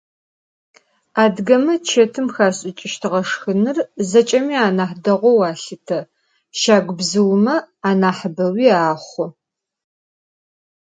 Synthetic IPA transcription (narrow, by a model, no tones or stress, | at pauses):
aːdɡɐmɐt͡ʃʰetʰɨmxaːɕʼɪt͡ʃʼɪʃtʰɨʁɐʂxɨnɨrzɐt͡ʃʼɐmiːaːnaːħdɐʁʷɔwaːɬɨtʰɐ | ʃaːɡʷʊbzɨwmɐaːnaːħəbɐwiːaːχʷʊ